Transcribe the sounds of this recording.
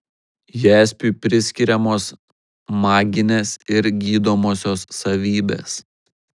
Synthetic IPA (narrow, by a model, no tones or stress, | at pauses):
jæːsʲpʲuːˑpʲɾʲɪsʲkʲɪɾʲɛmoːs | mɑːɡʲɪnʲeːsɪɾɡʲiːd̪oːmoːsʲoːsːɐʋʲiːbʲḛːs